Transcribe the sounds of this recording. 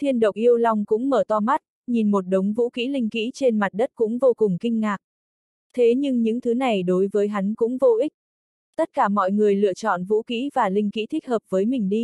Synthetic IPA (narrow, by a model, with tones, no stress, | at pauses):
t̪ʰi˧ənɗə˨˩wk͡p̚ʔi˧əwla˧wŋ͡mkʊ̰˧˥ŋ͡mməː˧˩t̪ɔ˧ma˦˥t̚ | ɲi˨˩nmo˨˩t̚ɗə˨˦wŋ͡mvṵ˧˥kḭ˧˥lï˧ŋ̟kḭ˧˥t͡ɕe˧nma˨˩t̚ɗə˦˥t̚kʊ̰˧˥ŋ͡mvo˧kʊ˨˩ŋ͡mkï˧ŋ̟ŋaː˨˩k̚ | t̪ʰe˨˦ɲɨ˧ŋɲɨ̰˧˥ŋt̪ʰɨ˨˦na˨˩jɗo˨˦jvəː˨˦jɦa˨˦jŋ̟kʊ̰˧˥ŋ͡mvo˧ʔi˦˥k̚ | t̪ə˦˥t̚kaː˧˩mɔ̰˧˨jŋɨ˨˩əjlɨ̰˧˨ət͡ɕɔ̰˧˨nvṵ˧˥kḭ˧˥vaː˨˩lï˧ŋkḭ˧˥t̪ʰi˦˥k̟̚həː˨˩p̚vəː˨˦jmï˨˩ŋ̟ɗi˧